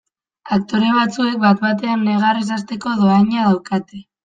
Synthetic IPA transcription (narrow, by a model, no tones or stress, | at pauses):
ak̚t̪o̞ɾe̞βat͡sue̞k̚bat̪βat̪̬e̞anːe̞ɣares̬ast̪e̞ko̞ðo̞aɲaðawkat̪e